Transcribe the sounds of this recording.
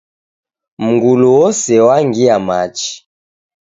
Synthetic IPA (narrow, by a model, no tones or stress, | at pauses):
m̩ɡuluwɔsɛwaŋɡiamat͡ʃi̥